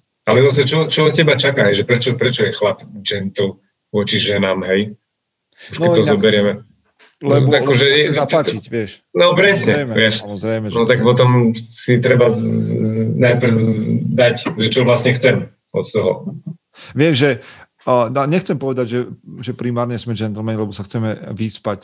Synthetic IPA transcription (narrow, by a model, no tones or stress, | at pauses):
alɛzas̬ɛt͡ʃɔt͡ʃɔɔt̪cɛbat͡ʃakaɦɛjʒɛpɾɛt͡ʃɔpɾɛt͡ʃɔjɛxlapd͡ʒɛnt̪l̩ | ʋʊɔt͡ʃiʒɛnaːmɦɛj | ʃnkɛt̪ɔzɔbɛɾɪɛmɛ | lɛbakɔʒɛɛaaat͡ʃicʋɪɛʃ | nɔpɾɛsɲɛmʋɪɛʃmɔzɾɛjmɛnɔt̪ak̚pɔt̪ɔmsit̪ɾɛba | najpɾ̩d̪acʒɛt͡ʃɔʋlasɲɛxt͡sɛm | ɔt̪t̪ɔɦɔ̰ | ʋɪɛʃʒɛ | naɲɛxt͡sɛmpɔʋɛd̪aɟʒɛʒɛpɾimaːɾɲɛsmɛd͡ʒɛnt̪lmɛnlɛbɔsaxt͡sɛmɛʋispac